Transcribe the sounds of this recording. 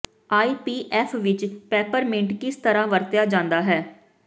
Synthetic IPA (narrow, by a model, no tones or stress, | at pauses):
aːiːpiːʔɛːfʰʋɪt͡ʃpɛːpəɾmɪ̃ɳʈkist̪əɾãːʋəɾt̪jaːd͡ʒãːnd̪aːɦɛː